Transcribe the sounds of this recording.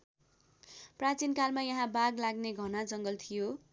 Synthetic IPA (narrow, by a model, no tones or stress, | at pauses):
prat͡sinkalmajʌɦãbaɡlaɡneɡʱʌnad͡zʌŋɡʌlt̪ʰijo